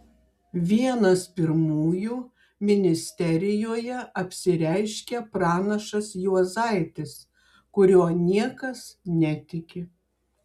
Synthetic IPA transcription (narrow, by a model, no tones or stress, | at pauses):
ʋʲiɛnɐspʲɪɾmuːjuː | mʲɪnʲɪsʲt̪ʲɛɾʲɪjoːjɛɐpʲsʲɪɾʲɛɪʃʲkʲɛpɾɑːnɐʃɐsjuɔzɐɪt̪ʲɪs | kʊɾʲoːnʲiɛkɐsnʲɛt̪ʲɪkʲɪ